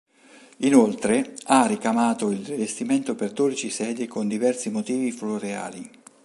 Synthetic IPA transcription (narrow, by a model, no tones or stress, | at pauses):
inolt̪ɾearikamaːt̪oilrivest̪iment̪operd̪oːɾit͡ʃisɛːd̪ekond̪ivɛrsimot̪iːvifloɾea̰ːli